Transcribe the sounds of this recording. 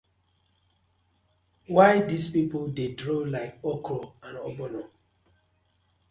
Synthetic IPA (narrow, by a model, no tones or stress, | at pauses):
waɪdispipoldedɹolaɪkɔkʰoãnɔbɔnɔ